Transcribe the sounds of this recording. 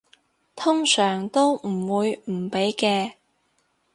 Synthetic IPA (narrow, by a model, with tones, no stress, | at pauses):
t̪ʰʊ˥ŋsœː˨˩ŋt̪o˥wm̩˨˩wuː˨˧jm̩˨˩pe˨˥jkɛː˧